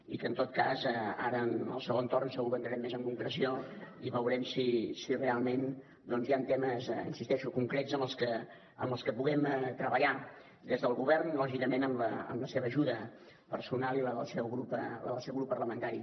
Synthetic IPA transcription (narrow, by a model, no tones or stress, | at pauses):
ikənt̪ot̪̚kazɛaɾənə̰lˠsəoənt̪ornsəɣuβənd̪ɾəɾɛmːezəŋkuŋkɾəsioiβəwɾɛmsisirealˠmen | d̪ɔnzjant̪ɛməz̰ḭnsist̪ɛʃukuŋkɾetzəməlˠskə | əmbəlˠskəpuɣɛmət̪ɾəβəʎa | d̪ezðəlˠɣuβɛrnlɔʒikəmenəmləə̰mləseβəːʒuðə | pəɾsunalˠiləəlˠsɛwɣɾupələəlˠsɛwɣɾupːərləmənt̪aɾi